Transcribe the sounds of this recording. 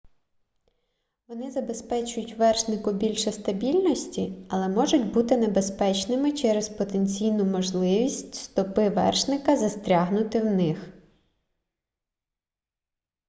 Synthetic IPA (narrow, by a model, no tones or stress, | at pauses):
ʋɔnɪzɐbe̞spɛt͡ʃʊjʊtʲʋɛrʃnɪkʊbʲilʲʃɛst̪ɐbʲilʲnɔsʲtʲiɐlˠɛmɔʒʊtʲbut̪ɪnebespɛt͡ʃnɪmɪt͡ʃɛɾespɔt̪enʲt͡sʲijnʊmɔʒlˠɪʋʲisʲtʲst̪ɔpɪʋɛ̰rʃnɪkɐzɐst̪ʲɾʲaɦnʊt̪ɪwnɪx